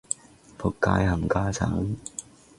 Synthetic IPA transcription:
pʰʊ˨kːaː˧jhɐ˨˩mkaː˥t͡sʰa̰ː˨˥ŋ

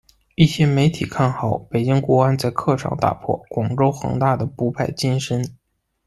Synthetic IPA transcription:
i˥˩ɕjɛ˥me˧˥ɪt̪ʰi˨˩kʰa˥˩nxɑ˨˩˦ʊpe˨˩ɪt͡ɕi˥ŋkwɔ˧˥a˥nt͡sa˥˧ɪkʰɤ˥˧ʂɑ̰˥˩ŋt̪a̰˨˩pʰwɔ̰˥˩kwɑ˨˩ŋʈ͡ʂo˥ʊxɤ̰˧˥ŋt̪a˥˩d̪ə˩pu˧˥pʰa˥˩ɪt͡ɕi˥nʂə˧˥n

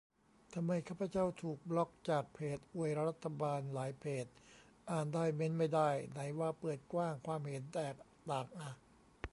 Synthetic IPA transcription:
t̪ʰa˧mːa˧jkʰaː˥˩pʰa˧t͡ɕa˥˩wt̪ʰuː˨˩k̚lɔ˦˥k̚t͡ɕaː˨˩k̚pʰeː˨˩t̪̚ʔu˨˩əjɾa˦˧ɾa˦˥t̪ʰːa˧baː˧nlaː˩˦jpʰeː˨˩t̪̚ | ʔaː˨˩ndaː˥˩jme˦˥nma˥˩jdaː˥˩jna˩˦jwaː˧pɤː˨˩t̪̚kwaː˥˩ŋkʰwaː˧mhe˨˩˦nt̪ɛː˨˩k̚t̪aː˨˩ŋʔa˧˩

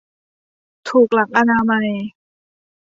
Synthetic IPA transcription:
t̪ʰuː˨˩k̚la˨˩˦k̚ʔa˧naː˧ma˧j

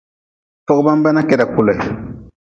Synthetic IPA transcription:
fɔ˦ɡɔ˦bã˦m˦ba˦na˦kɛ˨da˨kʊ˨lɛ˨

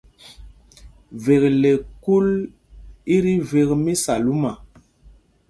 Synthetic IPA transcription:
ve˨kle˨ku˦l | i˦ɾi˦ve˨kmi˦sa˨lu˦ma˨

